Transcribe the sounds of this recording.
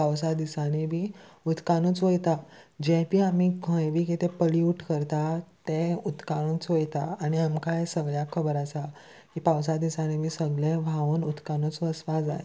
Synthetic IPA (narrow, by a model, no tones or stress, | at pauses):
paws̬ad̪isanebʱiːut̪kanũt͡sʋojt̪ad͡ʑẽpiamikʰə̃jʋikit̪epəliuʈkəɾt̪at̪ẽut̪kaɽ̃ut͡sʋojt̪aːñiamkasəɡɭjakʰəbəɾasa | kipaws̬ad̪isanibʱiːsəɡlẽʋʱaʋonut̪kanut͡sʋəsʋad͡za̰je